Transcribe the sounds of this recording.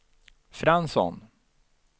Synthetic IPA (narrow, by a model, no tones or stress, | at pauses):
fɾansɔ̰n